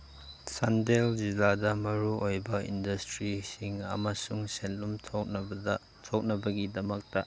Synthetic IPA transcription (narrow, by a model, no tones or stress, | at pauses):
sandeld͡ʒiladɐmɐɾuojbɐḭndɐstɾisiŋɐ̰mɐsuŋsenːumʰ | tʰok̚nɐbɐɡidɐmɐk̚tɐ